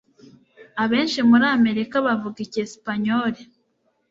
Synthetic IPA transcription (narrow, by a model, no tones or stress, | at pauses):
aβe̞ːnʃimuɾaːme̞ɾikaβavuɡicesi̥paɲoːɾe